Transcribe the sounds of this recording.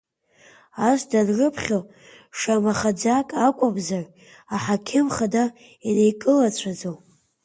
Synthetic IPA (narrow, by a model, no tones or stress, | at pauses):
asdanrɨpʰχʲol | ʂamaχad͡zakʼakʷʼabzar | aħakʲʰɪmχada | inejkʼɨlat͡ɕʷʰad͡zow